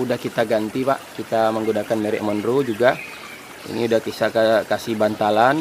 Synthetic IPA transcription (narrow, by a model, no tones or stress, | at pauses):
udahkit̪aɡant̪ipaʔkit̪aməŋɡunakanmɛɾɛ̰ʔmənrud͡ʒuɡa | ḭniudahkisakakasihbant̪alan